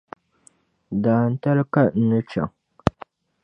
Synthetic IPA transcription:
daː˨n̩˦ta˦lka˦n̩˦nɨ˦t͡ʃa̰˨ŋ

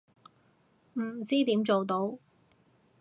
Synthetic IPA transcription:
m̩˨˩t͡siː˥t̪iː˨˥mt͡so˨wt̪o˨˥w

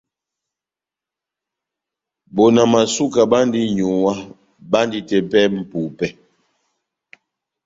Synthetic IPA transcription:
bo˨na˨ma˨su˦ka˨ba˦ndi˦ɲu˨wa˦ | ba˦ndi˦tɛ˨pɛ˦m̩˨pu˨pɛ˦

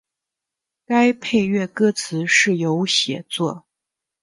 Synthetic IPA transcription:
ka˥ɪpʰe˥˧ɪɥɛ˥˩kɤ˥t͡sʰɹ̩˧˥ʂɻ̩˥˩jo˧˥ʊɕjɛ˨˩t͡swɔ˥˩

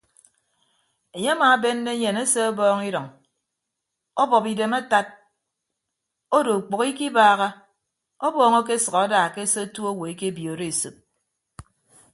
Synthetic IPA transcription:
e˨ɲe˦a˦maː˨˦be˦nː˦e˦ɲe˨ne˦se˦ɔ˦bɔː˦ŋi˦ɾɔ˨ŋ | o˦bɔ˨pi˨de˨ma˦ta˦t̚ | o˦do˨k͡po˨ki˦ki˦baː˦˨ɣa˦ | o˦bɔː˦ŋo˦k̬e˦sɨ˨a˨a˦daː˨ke˦se˦tu˦o˦wo˨e˨˦ke˦bjo˨ɾe˦e˨sɨ˨p̚

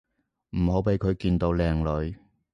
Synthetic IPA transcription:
m̩˨˩ho˨˥wpe˨˥jkʰɵ˨˧ɥkiː˧nt̪o˨˧wlɛː˨˩ŋlɵ˨˧ɥ

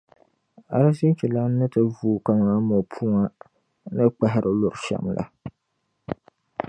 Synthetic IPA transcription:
a̰˨la˦si˦n˦t͡ʃi˨la˦n˦nːɨ˦tɨ˦vuː˦ka˦ŋ˨a˦mo˨pʰu˦ŋa˦ | nɨ˦k͡pɛ˦ɦɪ˨ɾʔɨ˨lʊ˨ɾʃa̰˦mlʔa̰˨

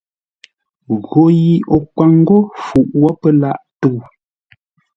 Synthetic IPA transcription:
ɣo˨ji˨o˨kwa˨ŋ̩˦ɡo˦fu˨ʔwɔ˦pə˦la˦ʔtu˦˨

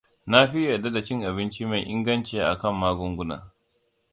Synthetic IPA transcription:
na˦ɸi˦jɐ˨da˦da˨t͡ʃɪ˦ŋʔa˨bɪ˦nt͡ʃi˦ma˨jʔɪ˦ŋɡɐ˦nt͡ʃeː˨ʔa̰˨kɐ˦˨mːaː˦ɡʷʊ˦ŋɡʷʊ˦na̰ː˨

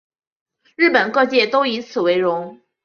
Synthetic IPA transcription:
ɻɻ̩˥˩pə˨˩nkɤ˥˧t͡ɕjɛ˥˩t̪o˥ʊi˧˥t͡sʰɹ̩˨˩we˧˥ɪɻʊ˧˥ŋ

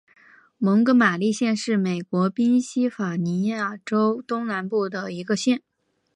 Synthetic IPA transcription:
mɤ˧˥ŋkɤ˧˥ma˨˩li˥˧ɕjɛ˥˧nʂɻ̩˥˩me˨˩ɪkwɔ˧˥pi˥nɕi˥fa˨˩ni˧˥ja˥˩ʈ͡ʂo˥ʊt̪ʊ˥ŋna˧˥npu˥˩d̪ə˩i˧˥ɡə˧ɕjɛ˥˩n

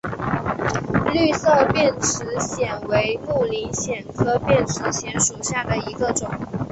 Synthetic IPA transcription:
ly˥˧sɤ˥˧pjɛ˥˩nʈ͡ʂʰɻ̩˧˥ɕjɛ˨˩nwe˧˥ɪmu˥˩li˧˥nɕjɛ˨˩nkʰɤ˥˧pjɛ˥˩nʈ͡ʂ̩ʰ˧˥ɕjɛ˧˥nʂu˨˩ɕja˥˩d̪ə˩i˧˥ɡə˧ʈ͡ʂʊ˨˩˦ŋ

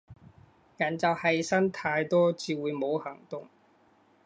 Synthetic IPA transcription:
jɐ˨˩nt͡sɐ˨˩whɐ˨jsɐ˥nt̪ʰaː˧jt̪ɔː˥t͡siː˨˧wuː˨˧jmo˨˧whɐ˨˩ŋt̪ʊ˨ŋ

